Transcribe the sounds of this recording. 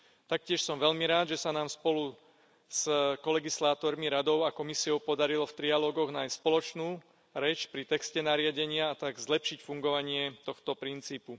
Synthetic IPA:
t̪ak̚cɪɛʃsɔmʋɛʎmiɾaːd̪ʒɛsanaːmspɔlu | skɔlɛɡislaːt̪ɔɾmiɾad̪ɔʊakɔmisiɔʊpɔd̪aɾilɔft̪ɾialɔːɡɔɣnaːjsspɔlɔt͡ʃnuː | ɾɛt͡ʃpɾit̪ɛkscɛnaɾɪaɟɛɲɪaːt̪aɡzlɛpʃicfuŋɡɔʋaɲɪɛt̪ɔxt̪ɔpɾint͡siːpu

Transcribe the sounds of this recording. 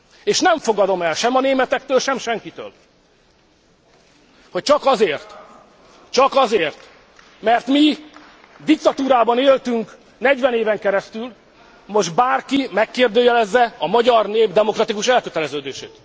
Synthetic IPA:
eːʃnɛɱfo̞ɡɒd̪o̞mɛlʃɛmɒneːmɛt̪ɛk̚t̪øːlʃɛmʃɛŋkit̪ø̰ːl | hoc̚t͡ʃɒkɒzeːrt̪ | t͡ʃɒkɒzeːrt̪ | mɛrt̪mi | d̪ik̚t̪ɒt̪uːɾaːbɒneːlt̪yŋk | nɛɟʋɛneːvɛŋkɛɾɛst̪yl | mo̞ʒd̪baːrkimɛkːeːrd̪øːjɛlɛzːɛɒmɒɟɒrneːbd̪ɛmo̞krɒt̪ikuʃɛlkøt̪ɛlɛzøːd̪eːʃḛːt̪

